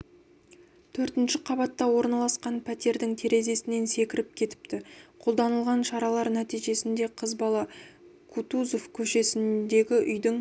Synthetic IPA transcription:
t̪ʰɵɾt̪ɪnʃɪqʰɑbɑt̪ːɑwo̞ɾnɑlˠɑsqɑnpʰæt̪e̞ɾd̪ɪŋt̪ʰe̞ɾe̞ze̞sɪne̞nse̞kʲɪɾɪp̚kʲʰe̞t̪ɪ̥p̚t̪ɪqʰo̞lˠd̪ɑnəlˠʁɑnʃɑɾɑlˠɑɾnæt̪ijʒe̞sɪnd̪e̞qʰəzbɑlˠɑkʰut̪uzo̞fkʲʰɵʃe̞sɪnd̪e̞ɡʲɪʔʏjd̪ɪŋ

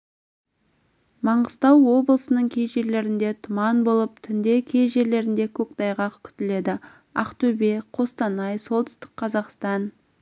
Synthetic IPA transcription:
mɑɴəzt̪ɑwːo̞blˠəsənəɴkʲʰe̞jʒe̞ɾle̞ɾɪnd̪e̞t̪ʰʊmɑnbo̞lˠəp̚t̪ʰʏnd̪e̞kʲʰejʒe̞ɾle̞ɾɪnd̪e̞kʲʰɵk̚t̪ɑjʁɑkʲʰʏ̥t̪ɪle̞d̪ɪ | ɑqt̪ɵbe̞qʰo̞st̪ɑnɑjso̞lˠt̪ʏ̥st̪ɪ̥qqʰɑzɑqst̪ɑn

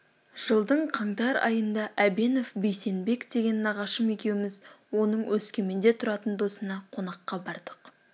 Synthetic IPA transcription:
ʒ̥əlˠd̪əɴqʰɑŋt̪ɑɾɑ̰jənd̪ɑʔæbe̞no̞fbejse̞nbe̞kd̪e̞ɡʲe̞nːɑʁɑʃəme̞kʲe̞wɪmɪzwo̞nəɴwʔɵskʲe̞me̞nd̪e̞t̪ʰʊɾɑt̪ənd̪o̞sənɑqʰo̞nɑqːɑbɑɾd̪əq

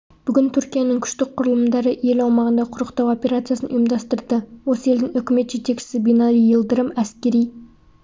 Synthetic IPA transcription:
b̥ʏɡʲɪnt̪ʰʏɾkʲijanɪŋkʲʰʏ̥ʃt̪ɪk̚qʰʊɾəlˠəmd̪ɑɾəʔe̞lɑwmɑʁənd̪ɑqʰʊɾəqt̪ɑwo̞pʲe̞ɾat̪sɨiasənʔəjəmd̪ɑst̪əɾd̪əwo̞səe̞ld̪ɪŋʏkʲɪme̞t̪ʒe̞t̪ekʃɪ̥sɪbinɑlijjelˠd̪əɾəmæskʲe̞ɾij

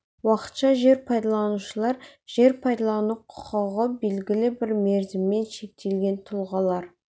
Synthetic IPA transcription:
wɑqə̥t̪ʃɑʒe̞ɾpʰɑjd̪ɑlˠɑnuʃəlˠɑɾʒ̥e̞ɾpʰɑjd̪ɑlˠɑnuqʰʊ̥qəʁəbe̞lɡʲɪlɪbɪɾme̞ɾzɪmːe̞nʃe̞k̚t̪e̞lɡʲe̞nt̪ʰʊlˠʁɑlˠɑɾ

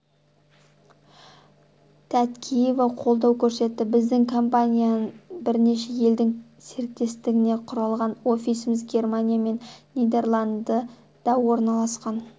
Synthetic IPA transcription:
t̪ʰæt̪kʲʰijevaqʰo̞lˠd̪ɑwkʲʰɵɾse̞t̪ːɪbɪzd̪ɪŋkʰo̞mpanʲijanbɪɾne̞ʃeje̞ld̪ɪŋ | se̞ɾk̚t̪ːe̞st̪ɪɡʲɪne̞qʰʊɾɑlˠʁɑnwo̞fijsɪmɪzɡʲe̞rmanʲijame̞nːijd̪e̞rlˠɑnd̪ə | d̪ɑwo̞ɾnɑlˠɑsqɑn

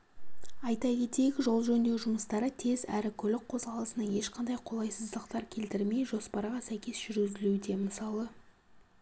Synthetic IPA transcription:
ɑjt̪ɑkʲʰe̞t̪e̞jɪkʲʒo̞lˠʒɵnd̪ewʒʊməst̪ɑɾət̪ʰe̞zæ̰ɾɪkʲʰɵlɪk̚qʰo̞zʁɑlˠəsənɑje̞ʃqʰɑnd̪ɑjqʰo̞lˠɑjsəzd̪əqt̪ɑɾkʲʰe̞lt̪ɪɾme̞jʒo̞spɑɾʁɑsæjkʲe̞sʒ̥ʏɾɡʲɪzɪlud̪e̞məsɑlˠə

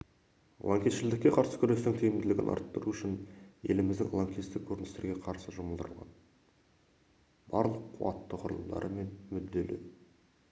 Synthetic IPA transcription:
lˠaŋkʲit̪ʃɪld̪ɪkʲːe̞qʰɑɾsə̥kʲʰʏɾest̪ɪŋt̪ʰijɪmd̪ɪlɪɡʲɪ̰nʔɑ̰ɾt̪ːəɾuʏʃɪnje̞̰lɪmɪzd̪ɪ̰ŋlˠaŋkʲist̪ɪkʲʰɵɾɪnɪst̪e̞ɾɡʲe̞qʰɑɾsəʒʊməlˠd̪əɾəlˠʁɑ̰n | bɑɾlˠəqʰːʊɑ̰t̪ːəqʰʊɾlˠd̪ɑ̰ɾəme̞nmʏd̪ːe̞lɪ̰

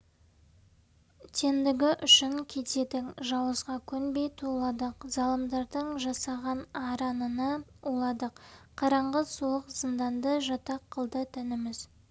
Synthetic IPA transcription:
t̪ʰe̞nd̪ɪɡʲɪʔʏʃɪŋkʲʰe̞t̪e̞d̪ɪŋʒɑwəzʁɑkʲʰɵnbe̞jt̪ʰulˠɑd̪əqz̥ɑlˠəmd̪ɑɾd̪əɴʒɑsɑʁɑnɑɾɑnənɑulˠɑd̪əqqʰːɑɾɑɴʁəsuəqzənd̪ɑnd̪əʒɑt̪ɑqʰːəlˠd̪ət̪ʰʏnɪmɪz̥

